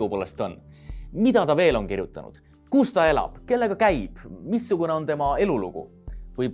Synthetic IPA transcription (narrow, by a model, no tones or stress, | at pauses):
upolest̪o̞nːmid̪̥ɑt̪ɑve̞ːlo̞nkirjut̪ːˑɑ̰nṵd̪̥ | kust̪ɑe̞lɑ̰b̥ke̞lːe̞ɡ̥ɑkæjb̥misːuɡ̥une̞o̞nt̪e̞mɑe̞lulṵɡ̥ṵ | vɯj